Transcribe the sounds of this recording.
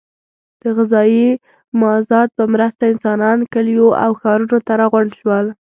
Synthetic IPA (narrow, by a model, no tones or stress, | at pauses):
d̪̥əɣɪzɑji | mɑzɑt̪̚pəmɾəst̪aɪnsɑnɑnkəljoʔa̰wxɑɾunot̪aɾɑɣʊɳɖʃwəl